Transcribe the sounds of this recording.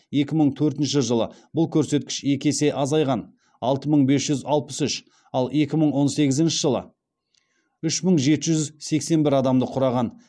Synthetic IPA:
je̞kʲɪməɴt̪ʰɵɾt̪ɪnʃɪʒəlˠə̰bʊlˠkʲʰɵɾse̞t̪̚kʲɪ̥ʃe̞kʲe̞se̞ʔɑzɑjʁɑn | ɑlˠt̪əməɴbe̞sʒ̥ʏzɑlˠpəsʏʃ | ɑlˠe̞kʲɪməɴwo̞nse̞ɡʲɪzɪnʃɪʒəlˠə̰ | ʏʃməɴʒe̞t̪ɪʒʏzse̞kse̞nbɪɾɑd̪ɑmd̪əqʰʊɾɑʁɑn

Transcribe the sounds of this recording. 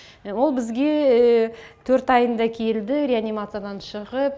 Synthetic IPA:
wo̞lˠbɪzɡʲe̞ | t̪ʰɵɾt̪ɑjənd̪ɑkʲʰe̞ld̪ɪɾʲeanʲimat̪sɨjad̪ɑnʃəʁəp̚

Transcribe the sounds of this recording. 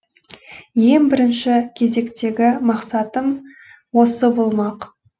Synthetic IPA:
je̞ŋbɪɾɪnʃɪkʲʰe̞ze̞kt̪e̞ɡʲɪmɑqsɑt̪əm | wo̞səbo̞lˠmɑq

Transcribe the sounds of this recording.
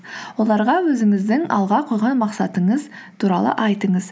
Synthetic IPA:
wo̞lˠɑɾʁɑwɵzɪŋɪzd̪ɪŋɑ̰lˠʁɑqʰojʁɑnmɑqsɑt̪əɴəz | t̪ʰuɾɑlˠə̰ʔɑjt̪əɴəz

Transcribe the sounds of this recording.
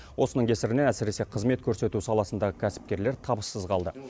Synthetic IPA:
wʔo̞sənəɴŋkʲʰe̞sɪɾɪne̞næsɪɾe̞se̞qʰəzme̞t̪̚kʲʰɵɾse̞t̪usɑlˠɑsənd̪ɑʁəkʲʰæsɪ̥p̚kʲe̞ɾle̞ɾt̪ʰɑbəsːəzqʰɑlˠd̪ə

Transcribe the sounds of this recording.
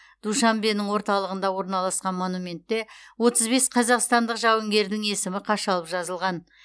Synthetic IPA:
d̪̥uʃɑmbenɪŋwo̞ɾt̪ɑlˠəʁənd̪ɑwo̞ɾnɑlˠɑsqɑnmo̞numʲe̞nt̪ːe̞wo̞t̪əzbe̞sqʰɑzɑqst̪ɑnd̪əqʒɑwɪŋɡʲe̞ɾd̪ɪŋe̞sɪmɪqʰɑʃɑlˠəpʒɑzəlˠʁɑn

